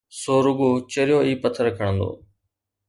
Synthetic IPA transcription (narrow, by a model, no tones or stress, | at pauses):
soːɾʊɡoːt͡ʃəɾɪjoːiːpət̪ʰəɾkʰəɽə̃nd̪o̰ː